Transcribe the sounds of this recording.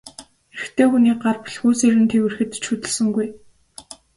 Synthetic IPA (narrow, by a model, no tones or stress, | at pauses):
xeɘ̆xt̪ʰeːxuniːɢarpɮxuːseːɾɘ̆nt̪ʰewɘ̆rxɘ̆t̪t͡ɕʰut̪ɘ̆ɮsɵ̆ŋɡuj